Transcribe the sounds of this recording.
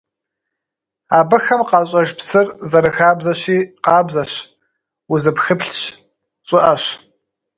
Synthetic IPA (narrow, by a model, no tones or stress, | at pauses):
aːbɨxɐmqɑːɕʼɐʒpsɨrzɐɾɨxaːbzɐɕiːqɑːbzɐɕ | wʊzɨpxɨpɬɕ | t͡ʃʷʼɪʔɐɕ